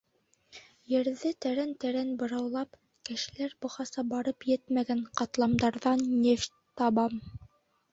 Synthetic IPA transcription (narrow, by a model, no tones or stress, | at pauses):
jɘ̆ɾðɘt̪æɾænt̪æɾænbɤ̆ɾɑwlˠɑp | kɘ̆ʃɘ̆læɾbŏχɑsɑbɑɾɤpjɘt̪mæɡæɴqɑt̪lˠɑmd̪ɑɾðɑnːʲeft | t̪ɑβɑm